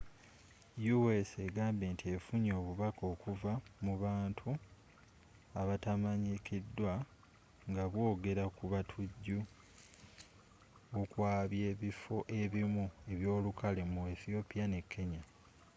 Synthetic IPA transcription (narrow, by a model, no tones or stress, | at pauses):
juwese̞ɡaːmbe̞ːntʰiefuɲo̞ːβuβako̞ːkuvamuβaːntʰu | aβatamaɲikidːwa | ŋɡaβwo̞ːɡe̞ɾakuβatʰuɟːu | okwaːβje̞ːβifo̞ʔe̞βimue̞βjo̞ːlukalemueθio̞pijane̞kːe̞ɲa